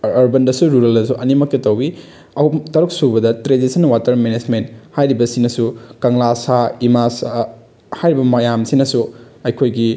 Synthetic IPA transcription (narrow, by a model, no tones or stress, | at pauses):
ɐɾbɐndɐsuɾuɾɐldɐsuʔɐnimɐkːetɐwbi | ɐtɐɾuk̚subɐdɐtɾedisɐnwatɐɾmened͡ʒmenthajɾibɐsinɐsukɐŋlasaimasa | hajɾibɐmɐjamsinɐsuɐjkʰojɡi